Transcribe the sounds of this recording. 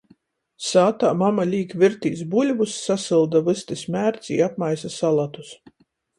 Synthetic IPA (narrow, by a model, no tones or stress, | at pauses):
saːt̪aːmamalʲiːkviɾt̪iːsbulʲvusːasɨlˠd̪avɨst̪ɨsmʲæːɾt̪sḭːapmajsasalˠat̪u̥s